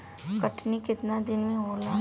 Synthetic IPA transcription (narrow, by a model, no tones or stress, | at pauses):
kɐʈnikɪt̪nad̪ɪnmẽɦoːlaː